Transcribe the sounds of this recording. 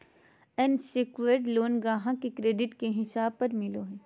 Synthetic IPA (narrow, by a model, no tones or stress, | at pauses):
ɛnsɪkʋeɾɖloːnɡãːɦãkekɾeːɖɪʈkeɦɪsaːb̚pɐɾmɪloɦɛː